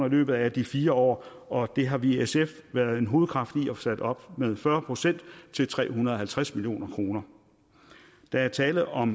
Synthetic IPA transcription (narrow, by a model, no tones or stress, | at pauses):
nɐilø̰ːb̥ð̞̩ˠæd̥ifiːɐɒ̰ː | ʔɒ̽d̥e̝ɦɑ̈ʋiesefʋæɐð̩ˠe̝nɦo̝ːð̩ˠkʰʁɑ̈fd̥iɒsæd̥ɒ̽b̥með̞ˠfɶɐpʰʁo̝sen̰d̥t͡sʰe̝lt͡sʰʁɛ̰ːɦunɐðˠɒɦhælt͡sʰʁasmiljo̝̰ːnɐkʰʁo̝ːnɐ | d̥ææɐt͡sʰɛːləð̩ˠɒ̽m